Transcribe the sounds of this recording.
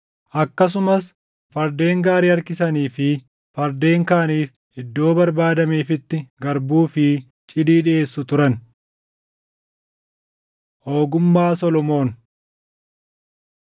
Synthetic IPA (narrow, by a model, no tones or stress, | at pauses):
ʔɐkːɐs̬ʊmɐs | fɐɾd̪e̞ːŋɡaːɾiːɐɾkɪsɐniːfɪ | fɐɾd̪eːŋkaːniːf | ʔɪd̪ːo̞ːbɐɾbaːd̪ɐmeːfɪt̪ːɪɡɐɾbuːfɪ | t͡ʃʼɪd̪iːᶑɪe̞ːsːʊt̪ʊɾɐn | ʔoːɡʊmːaːsɔlɔmo̞ːn